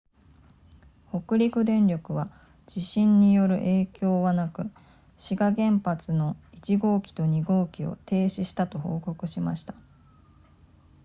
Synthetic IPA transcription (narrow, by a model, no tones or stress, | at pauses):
ho̞kɯ̟ɾʲikɯ̟d̪ẽ̞nɾʲo̞kɯ̟βa | d͡ʑ̥iɕĩɲ̟ːijo̞ɾɯ̟̰ʔe̞ːkʲo̞ːβanakɯ̟ | ɕiɡaɡẽ̞mpat͡sɨno̞it͡ɕiɡo̞ːkʲi̥t̪o̞ɲ̟iɡo̞ːkʲio̞̰t̪ʰe̞ːɕiɕi̥t̪at̪o̞ho̞ːko̞kɯ̟ɕimaɕi̥t̪ḁ